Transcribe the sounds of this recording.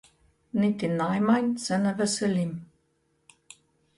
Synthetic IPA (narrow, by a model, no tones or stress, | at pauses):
nit̪inajmajnsɛnɛvɛsɛlʲim